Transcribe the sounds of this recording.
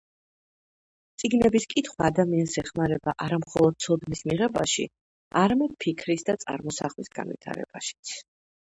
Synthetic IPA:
t̪sʼiɡnɛbiskʼit̪ʰχwaːd̪amiansɛχmaɾɛbaʔaɾamχɔlˠɔd̪̥̚t̪sʰɔd̪nismiʁɛbaʃḭ | aɾamɛd̪̥̚pʰikʰɾisd̪at̪sʼa̰ɾmɔsaχlisɡ̥a̰nvḭt̪ʰa̰ɾɛ̰b̥aʃi̥t̪sʰ

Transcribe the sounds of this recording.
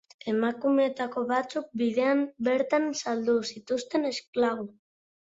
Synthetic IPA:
e̞makumeet̪ako̞βat͡suk̚bið̞e̞ambe̞ɾt̪ansald̪usit̪ust̪e̞ne̞sklaɣ̞u

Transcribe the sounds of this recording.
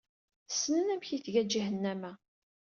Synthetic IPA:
sːnənæmçiθʝæd͡ʒihənːæmæ

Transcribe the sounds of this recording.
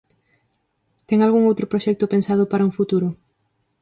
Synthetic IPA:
t̪ɛŋalɣuŋowt̪ɾʊpɾoʃɛk̚t̪ʊpensað̞ʊpaɾɐuŋfut̪uɾʊ

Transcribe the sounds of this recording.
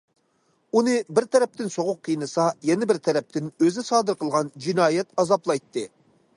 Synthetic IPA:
unɨbɪɾt̪ʰɛɾɛp̚t̪ɪnsoʁʊqʰːijnɨsɑjɛnɪbɪɾt̪ʰɛɾɛp̚t̪ʰɪnøzɪsɑːd̪ɨɾqʰəlˠʁɑnd͡ʒinɑːjɛt̪ɑzɑplˠɑjt̪ʰːɨ

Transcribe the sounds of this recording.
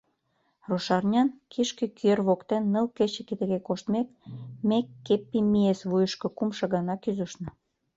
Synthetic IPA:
roʃɑrnʲɑnkʰiʃkĕkyerβokt̪enːə̆lket͡ɕĕkit̪ə̆ɣekoʃt̪mek̚mekːepːimiesβujəʃkɤ̆kumʃɤ̆ɣɑnɑkyzə̆ʃnə̆

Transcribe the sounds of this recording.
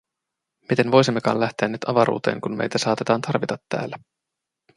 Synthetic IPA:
mit̪e̞nʋo̞jsimːe̞kɑ̰ːnlæht̪eænːyt̪ɑʋɑɾṵːt̪eːŋkunmḛjt̪æsɑːt̪e̞t̪ɑːnt̪ɑrʋit̪ɑt̪ːæ̰ːlːæ

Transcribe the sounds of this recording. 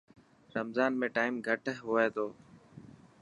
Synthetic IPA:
ɾəmzaːnmẽːʈaːɪmɡʱəʈəɦɦʊːeːt̪ʰoː

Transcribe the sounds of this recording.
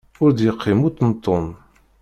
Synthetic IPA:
ʊɾd̪jəqʰːimut̪ːnt̪ˤːon

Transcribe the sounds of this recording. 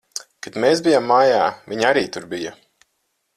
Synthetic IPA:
kat̪meːsbijamːaːjaːviɲaɾiːt̪uɾbija

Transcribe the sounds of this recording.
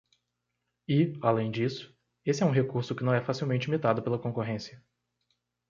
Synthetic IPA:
ɪalẽj̃d͡ʒisʊ̥ | esɪɛũɦekuɾsʊkɪnɐ̃w̃ɛfasiwmẽnt͡ʃɪimit̪ad̪ʊpelɐkõkoɦẽsiɐ

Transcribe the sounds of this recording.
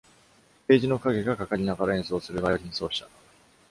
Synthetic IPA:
pe̞ːʑino̞kaɡe̞ɡakakaɾʲinaɡaɾaẽ̞ɰ̃so̞ːsɨɾɯ̟bajoɾʲĩɰ̃so̞ːɕi̥t̪ḁ

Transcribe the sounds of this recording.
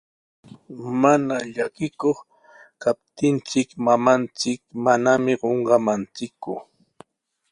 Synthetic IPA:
manaʎakɪkoχ | kap̚t̪ɪnt͡sɪkmamant͡sɪkmanamɪɢoɴɢɑmant͡sɪkʊ

